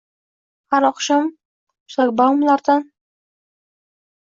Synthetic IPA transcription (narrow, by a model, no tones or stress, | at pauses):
haɾɒqʃɑm | ʊ̥sakbawmlaɾd̪an